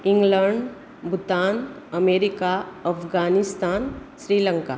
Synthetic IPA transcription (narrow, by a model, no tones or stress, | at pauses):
ɪ̃ŋɡləɳɖ | bʱʊt̪aːn | əmeːɾɪkaɐpʰɡaːnɪst̪aːnʃɾiːlə̃ŋkaː